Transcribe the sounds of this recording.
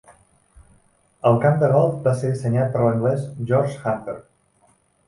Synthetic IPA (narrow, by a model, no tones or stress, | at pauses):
əlˠkamd̪əɣɔlˠfbaseɾðisəɲat̪̚pəɾləŋɡlɛzʒɔɾʒxant̪əɾ